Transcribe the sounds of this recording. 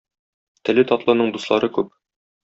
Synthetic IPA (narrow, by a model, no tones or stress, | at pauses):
t̪ɘ̆lɘt̪ɒt̪lˠɤ̆nɤɴd̪uslˠɑɾɤkʉp̚